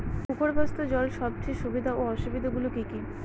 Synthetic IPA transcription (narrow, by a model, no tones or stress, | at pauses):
pukoɾbʱast̪od͡ʑɔlʃɔb̚t͡ɕʰeʃubid̪ʱaoɔʃubid̪ʱaɡulokiki